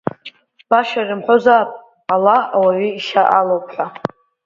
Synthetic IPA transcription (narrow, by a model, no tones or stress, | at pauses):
b̥aʃarɨmħʷozapʼ | alaawaɥiːʃaʔalopʰħʷa